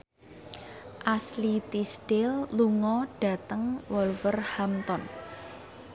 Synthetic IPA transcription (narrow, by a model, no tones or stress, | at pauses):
ʔaslit̪isd̥ɪlːuŋɔɖ̥a̤t̪əŋwɔlfərhamt̪ɔn